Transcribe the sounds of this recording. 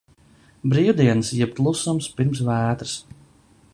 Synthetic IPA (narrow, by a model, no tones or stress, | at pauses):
bɾiːwd̪iɛnɨsjɛb̚t̪lˠusumspiɾms̬væːt̪ɾɨ̥s